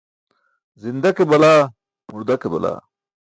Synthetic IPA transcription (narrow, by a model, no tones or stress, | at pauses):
zind̪ɐkebɐlaː | muɾd̪ɐkebɐ̰la̰ː